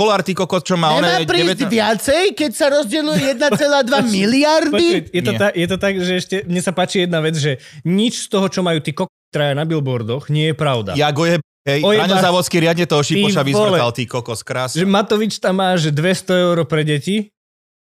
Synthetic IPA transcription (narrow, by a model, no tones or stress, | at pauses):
kɔlaɾt̪iːkɔkɔst͡ʃɔmaːɲɔɛnamaːpɾiːɛʋɪat͡sɛjkɛcsaɾɔzɟɛlujɛjɛd̪nat͡sɛlaːd̪ʋamiliaɾdpɔijɛɔt̪akjɛt̪ɔt̪aɡʒɛɛʃcɛmɲɛsapaːt͡ʃijɛd̪naʋɛd͡zʒɛɲit͡ʃst̪ɔɦɔt͡ʃɔmajuːt̪iːkɔkt̪ɾajanabilbɔɾd̪ɔxɲɪɛjɛpɾaʊd̪a̰jaɡɔjɛ | ɦɛjɔjɛaɲzaːʋɔskiɾɪad̪ɲɛt̪ɔɔʃiiɔʃaʋislɛalt̪iːkɔkɔskɾaːsʒɛmat̪ɔʋit͡ʃt̪amːaːʒd̪ʋɛst̪ɔɛʊɾɔpɾɛɟɛci